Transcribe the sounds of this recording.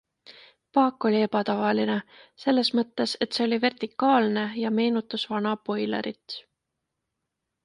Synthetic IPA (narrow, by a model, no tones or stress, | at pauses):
pɑːkːˑo̞lʲie̞pɑt̪ɑvɑline̞se̞lːe̞smɤt̪ːe̞se̞t̪se̞o̞lʲive̞rt̪ikːˑɑːlne̞jɑme̞ːnut̪ːˑusvɑnɑpo̞jlḛɾit̪ːˑ